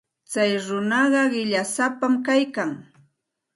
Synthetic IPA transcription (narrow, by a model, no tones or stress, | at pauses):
t͡sajɾʊnɑɢɑɢɪʎasapamkajkaŋ